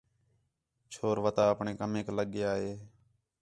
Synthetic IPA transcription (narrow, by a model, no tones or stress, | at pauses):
t͡ʃʰoːɾʋət̪aːəpɳeːkəmẽːkləɠɪjaːɦeː